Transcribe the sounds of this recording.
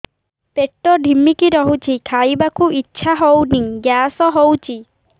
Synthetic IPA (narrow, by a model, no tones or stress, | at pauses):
peʈːɔɖʱimikiɾɔɦut͡ʃʰikʰajbakuʔitːʃʰaɦowniŋɡjasɔɦowt͡ʃʰi